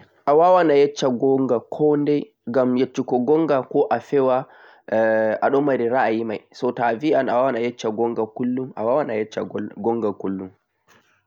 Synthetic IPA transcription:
ʔawawanajɛt͡ʃːaɡɔŋɡakʰɔndɛ | ɡamjat͡ʃːikɔɡɔŋɡakɔʔafɛwa | ʔaɗɔmaɾiɾaʔajimajsɔtabiʔanʔawawanajɛt͡ʃːaɡɔŋɡakʊlːumʔa̰wawanajɛt͡ʃːa̰ɡɔŋɡakʊlːum

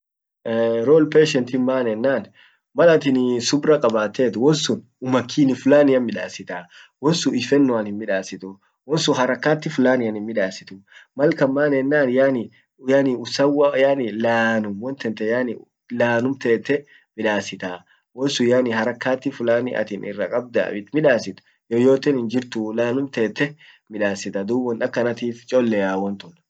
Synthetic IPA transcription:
ɾoːlpeːʃɛnt̪ɪmaːnɛnːaːn | mɐlɐt̪ɪnsʊbɾɐkʼɐbaːt̪ːeːt̪wɔnsʊn | ʊmɐkʰːiːnɪfʊlaːnɪjɐnmɪᶑaːsɪt̪aː | wɔnsʊɪfɛnːʊɐnhɪmːɪᶑaːsɪt̪ʊ | wɔnsʊɦɐɾɐkːaːt̪ːɪfʊlaːnɪjɐnhɪmmɪᶑaːsɪ̥t̪ʊmɐlkɐmːaːnɛnːaːnjaːnɪ | janɪʊsɐwajaːnɪlaːnʊmwɔnt̪ɛnt̪ɛjaːnɪ | laːnʊmt̪eːt̪ːɛ | mɪᶑaːsɪt̪aː | wɔnsʊjanɪhɐɾɐkːaːt̪ːɪfʊlaːnɪ̰ʔɐ̰t̪inʔɪ̰rːɐkʼɐb̚d̪a̰bɪt̪mɪᶑaːsɪt̪ʊ̥ | jojoːt̪ɛnhɪnd͡ʒɪɾt̪ʊlaːnʊmt̪eːt̪ːɛ | mɪᶑaːsɪt̪ɐd̪uːbɔnɐkːɐnɐt̪iːft͡ʃʼoːlːɛjaːwɔnt̪ʊn

